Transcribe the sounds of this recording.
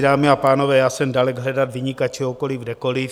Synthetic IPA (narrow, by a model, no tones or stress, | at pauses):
ɾaːmɪapaːnoʋɛːjasɛndalɛɡɦlɛdat̪ʋɪɲikat͡ʃʰɛokolivdɛkoli